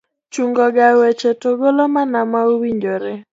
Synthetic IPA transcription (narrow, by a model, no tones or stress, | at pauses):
t͡ʃuŋɡɔɡawet͡ʃetoɡolomanamauwiɲd͡ʒoɾe